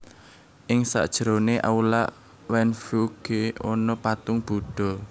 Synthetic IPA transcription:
ʔɪŋsa̰ʔd̥ʒ̥əɾoneʔa̰ulaʔ | wɛnfuɡ̥eɔnɔpat̪ʊŋb̥uɖ̥ɔ̤

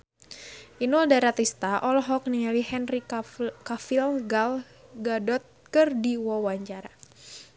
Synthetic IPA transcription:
ʔinuldaɾat̪ist̪aʔɔlɔɦɔk̚niŋalihɛnrikafilɡal | ɡadɔt̪̚kɨrdiwɔwaɲt͡ʃaɾa

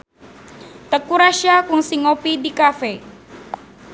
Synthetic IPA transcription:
t̪əkuɾaʃakuŋsiŋopidikafe

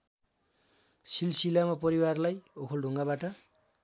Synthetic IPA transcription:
silsilamapʌɾiwarlajokʰolɖʱuŋɡabaʈʌ

